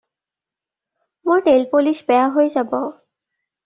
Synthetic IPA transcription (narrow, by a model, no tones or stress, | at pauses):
moɹʈelpoliʃbɛaɦoed͡ʑabo